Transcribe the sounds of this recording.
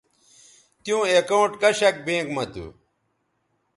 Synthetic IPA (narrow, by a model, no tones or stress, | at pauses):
t̪jũːekɐuʈkɐɕɐk̚bẽːkmɐt̪ṵ